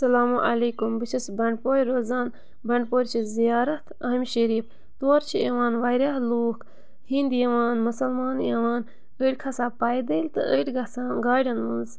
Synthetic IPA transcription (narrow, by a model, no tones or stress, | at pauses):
sɐlaːmuʔɐleːkumbɨt͡ʃʰɐsbɐɳɖpoːjɾoːzaːn | bɐɳɖpoːɾʲt͡ʃʰizijaːɾɐt̪ʰɐɦmʲʃɐɾiːf | t̪oːɾt͡ʃʰiɐʋaːnʋajɾaːɦluːk | hind̪jɐʋaːnmusɐlmaːnjɐʋaːn | əʈkʰɐsaːpaːjd̪ɐːlt̪ɨ̰ʔəːʈɡɐsaːɡaːɖɐnʋunz